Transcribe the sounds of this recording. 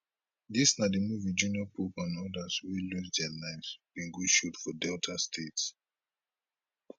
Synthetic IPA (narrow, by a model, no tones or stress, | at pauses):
disnadəmuvid͡ʒuniɔpʰupãnɔdaswiluzdɛalaɪvsb̥ĩŋɡudʃutfɔdɛltʰastʰets